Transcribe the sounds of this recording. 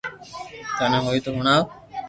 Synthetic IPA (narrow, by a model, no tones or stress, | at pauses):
kənẽːɦoːiːt̪oɦʊɳ̃aː